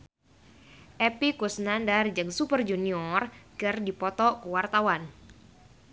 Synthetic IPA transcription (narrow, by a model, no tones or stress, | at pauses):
ʔɛpikusnandard͡ʒɨŋsupərd͡ʒuniɔrkɨrdipɔt̪ɔkəwart̪awan